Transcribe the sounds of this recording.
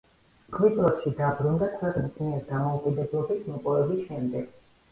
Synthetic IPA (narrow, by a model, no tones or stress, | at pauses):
kʰʼwit̪ʼɛpʃid̪abɾund̪akʰwɛqʼnisʰniɛɾid̪amɔukʼid̪ɛblˠɔbismɔpʼɔvɛbisʃɛmd̪ɛɡ̥